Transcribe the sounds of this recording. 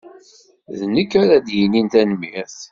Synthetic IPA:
ðnəkːaɾad̪jinint̪ænmiɾθ

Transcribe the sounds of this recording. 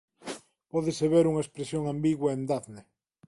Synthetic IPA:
pɔðeseβeɾuŋɐespɾesjoŋambiɣwaend̪aθne

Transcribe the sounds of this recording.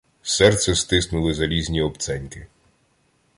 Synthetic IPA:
sɛrt̪sɛst̪ɪsnʊlˠɪzɐlʲizʲnʲiɔpt̪sɛnʲkɪ

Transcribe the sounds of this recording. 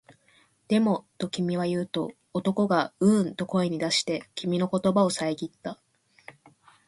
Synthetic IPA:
d̪̥e̞mo̞t̪o̞kʲimʲiβ̞ajɯ̟ːt̪o̞̰ː | t̪o̞ko̞ɡaɯ̟nt̪o̞ko̞eɲ̟id̪aɕi̥t̪e̞kʲʰimʲino̞ko̞t̪o̞bao̞saeɡʲit̪ːa

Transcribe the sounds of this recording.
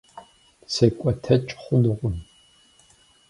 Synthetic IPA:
sɐkʷʼɐtʰɐt͡ʃʼχʷʊnɨʁʷʊn

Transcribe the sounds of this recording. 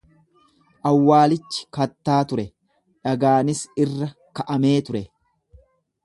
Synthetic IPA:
ʔɐwːaːlɪt͡ʃːɪ̥kɐt̪ːaːt̪ʊɾɛ | ᶑɐɡaːnɪsɪrːɐ | kɐʔɐme̞ːt̪ʊɾɛ

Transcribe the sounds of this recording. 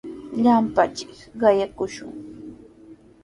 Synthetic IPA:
ʎampat͡ʃɪ̥kɢɑjakʊʃʊ̰ŋ

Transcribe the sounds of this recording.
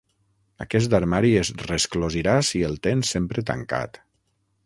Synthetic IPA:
a̰kɛs̬d̪aɾmaɾiezreskloziɾasielˠt̪ensempɾet̪a̰ŋka̰t̪

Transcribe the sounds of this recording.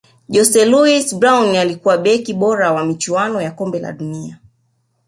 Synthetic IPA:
ʄɔsɛluisbɾawnalikuwaɓɛkiɓɔɾawamit͡ʃuanɔjakɔmbɛla̰ɗunia

